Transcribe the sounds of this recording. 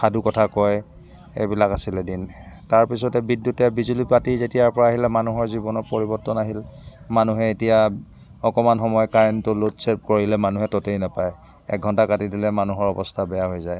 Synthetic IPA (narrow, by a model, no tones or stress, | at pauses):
xadukɔtʰakɔj | ḛjbilakasilɛdintaɹpisɔtɛbidjutɛbizulipatizetijaɹpɔɹaːɦilɛmanuɦɔɹzibɔnɔtpɔɹibɔɹtɔnaɦilmanuɦɛetija | ɔkɔmanxɔmɔjɔkaɹɛntulotsep̚kɔɹilɛmanuɦɛtɔtejnapaj | ɛ̰k̚ɡʱɔntakatidilɛmanuɦɔɹɔbɔstʰabɛjaɦojzaj